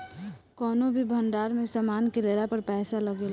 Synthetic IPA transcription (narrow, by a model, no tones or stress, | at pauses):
kɔːnõbʱibʱə̃ɳɖaːɾmẽsamaːnkeleːɾapəɾpɛːsalɐɡeːla